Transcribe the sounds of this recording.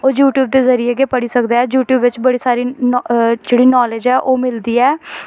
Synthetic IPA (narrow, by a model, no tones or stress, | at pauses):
oːjuːʈjuːb̚d̪eːzəɾieːɡeːpəɽiːsəkd̪aːɛːd͡ʒuːʈjuːbʋɪt͡ʃbəɽiːsaːɾiːnd͡ʒeːɽiːnɔːled͡ʒɛːʔoːmɪld̪iːɛː